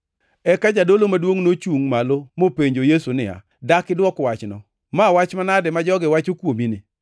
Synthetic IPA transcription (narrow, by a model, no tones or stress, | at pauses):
ɛkad͡ʒadolomadwoŋnot͡ʃuŋmalomopeɲd͡ʒojesunɪa̰ | dakɪdwɔkwat͡ʃnɔ̰ | mawat͡ʃmanadɛmad͡ʒɔɡɪwat͡ʃokwominɪ